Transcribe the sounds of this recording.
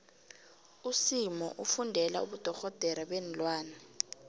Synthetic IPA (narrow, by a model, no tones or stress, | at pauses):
usimɔ̰ʔufundʱɛla̰ṵɓud̥ʱɔɣɔd̥ʱɛɾaɓɛnlwaːnɛ